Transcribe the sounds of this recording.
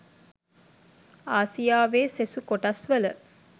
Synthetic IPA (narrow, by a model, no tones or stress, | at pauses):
aːsijaːʋeːsesukoʈasʋələ